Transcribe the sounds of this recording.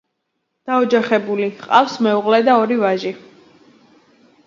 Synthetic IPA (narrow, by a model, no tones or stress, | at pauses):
d̪̥aɔd͡ʒaχɛbuliqʼa̰fsmɛuʁlɛd̪aɔɾivaʒi